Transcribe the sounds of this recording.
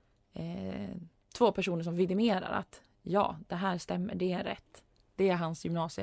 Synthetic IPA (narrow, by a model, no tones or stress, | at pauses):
t̪ʰvoːpʰæʂuːnəʂ̬ɔmvɪd̪ɪmeːɾa̰ɾa̰t̪ | jɑ̰ːd̪ɛɦæːɾʂt̪ɛmːə̰ɖɛæɾɛ̰t̪ː | d̪̥ɛæɾɦansjɵmnɑːsɪ